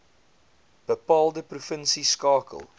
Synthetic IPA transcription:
b̥əpɑːlˠdəprufənsiskɑːkə̰lˠ

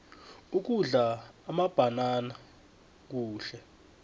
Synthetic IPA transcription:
uk̬uɮaːmab̥ʱanana | k̬uːɬɛ

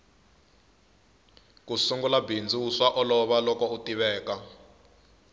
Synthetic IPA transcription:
kusuŋɡulabind͡ziuʂwaʔɔlɔβalɔkɔutiβɛːka

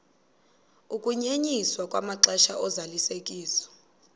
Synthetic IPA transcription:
ukʼuɲeɲiswakʼwamaǁɛʃaʔɔzalisekʼiːsɔ̥

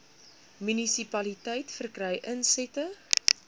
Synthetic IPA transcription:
mynisipɐlitɛjtfərkrɛjʔənsɛtə

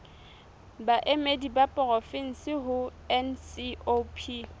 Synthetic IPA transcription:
baʔemedibapʼɔrɔfɪn̩sɪɦʊɛnsiopʰi

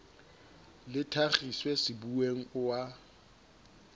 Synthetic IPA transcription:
lɪtʰaχiswɛsɪbuweŋ̩ʊwa

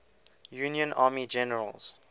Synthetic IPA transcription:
juːnjə̃nʔaːmid͡ʒɛnəɹə̰lz̥

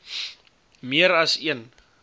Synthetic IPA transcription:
miəɾɐsiən

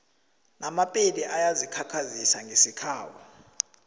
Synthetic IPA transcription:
namapʼiliʔajazikʰakʰazisaŋɡʱesikʰaːwɔ

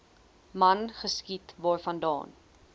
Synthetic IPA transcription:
mɐnχəskitvɑːrfɐndɑ̰ːn

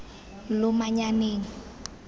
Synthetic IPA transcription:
lʊmaɲaneːŋ̩

